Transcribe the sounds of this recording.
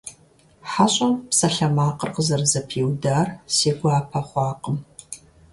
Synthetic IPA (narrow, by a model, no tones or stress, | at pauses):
ħaɕʼɐmpsɐɬɐmaːqərqəzɐrzɐpʰiːwdaːrseːɡʷaːpʰɐχʷɑːqʼəm